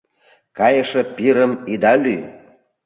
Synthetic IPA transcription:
kɑjəʃĕpiɾəmid̪ɑly

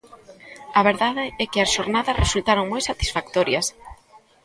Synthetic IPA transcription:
ɐβeɾðaðɪɛkɪɐsʃoɾnaðɐsrʔesult̪aɾoŋmojsat̪i̥sfak̚t̪oɾjɐs

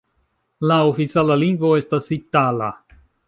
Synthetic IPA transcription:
laofit͡salaliŋɡvo̞e̞stasitala̰

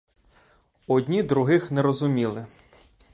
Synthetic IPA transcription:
ɔd̪ʲnʲid̪ɾʊɦɪxnɛɾɔzʊmʲilˠɪ

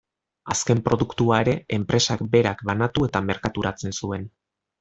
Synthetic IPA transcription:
aske̞mpɾo̞ðukt̪uaeɾe̞empɾe̞sakbe̞ɾakbanat̪ue̞t̪ame̞ɾkat̪uɾat͡se̞nsue̞n

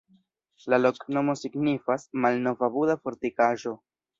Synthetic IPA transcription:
lalo̞kno̞mo̞siɡnifasmalnofabudafo̞ɾtikaʒo̞

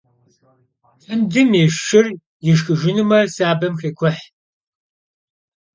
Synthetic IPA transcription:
fəmdɨmjeʃʃɪr | jɪʃxɨʒɪnɨmɐsaːbɐmxeːkʷʰɔħ

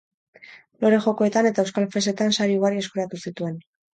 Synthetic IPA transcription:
lo̞ɾe̞ʝo̞ko̞et̪ane̞t̪aewskalfe̞se̞t̪ansaɾiuɣaɾie̞skuɾat̪usit̪ue̞n

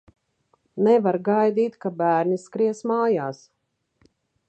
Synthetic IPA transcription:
nɛvaɾɡajd̪iːt̪kabæːɾniskɾiɛsmaːjaːs

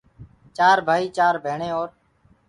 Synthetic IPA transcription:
t͡ʃaːɾbʱaːiːt͡ʃaːɾbʱeːɳẽːoːɾ

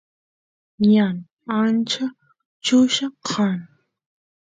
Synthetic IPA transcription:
jan | ant͡ʃa | t͡ʃʊʃaqʰɑn

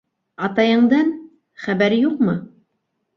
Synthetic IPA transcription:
ɑt̪ɑjɤ̆ɴd̪ɑn | χæβæɾjuqmɤ

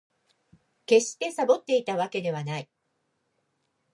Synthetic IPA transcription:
ke̞ɕi̥t̪e̞sabo̞t̪ːe̞it̪aβake̞d̪e̞β̞anai

